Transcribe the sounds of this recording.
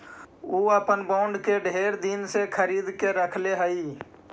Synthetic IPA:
uːəpənbãːʊɳɖkeɖʱeːɾd̪insekʰəɾiːd̪keɾəkʰleɦəi

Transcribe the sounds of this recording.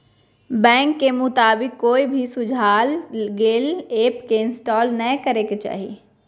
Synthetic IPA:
bɛ̃ːŋkːemʊt̪aːbɪkːoːibʱisʊd͡ʒʱaːlɡeːleːpkeɪ̃nsʈɔːlnəekɐɾeket͡ʃa̰ːɦḭ

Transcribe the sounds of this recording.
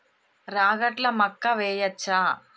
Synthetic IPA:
ɾaːɡɐʈlɐmɐkːɐʋeːjɐt͡ʃːaː

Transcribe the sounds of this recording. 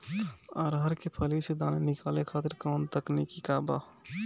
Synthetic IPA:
aːɾɦəɾkepʰəlised̪aːnenɪkaːlekʰaːt̪ɪɾkaːnt̪əknikikaːba̰

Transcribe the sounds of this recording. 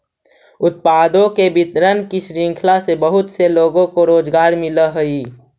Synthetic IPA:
ʊt̪̚paːd̪õkebɪt̪ɾənkisɾĩŋkʰlasebəɦʊt̪seloːɡõkoɾoːd͡ʒɡaːɾmɪləɦəi

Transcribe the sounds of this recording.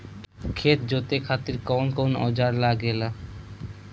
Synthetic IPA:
kʰet̪̚d͡ʑot̪ekʰat̪iɾkɔnkɔnɔ̰d͡ʑaɾlaɡela

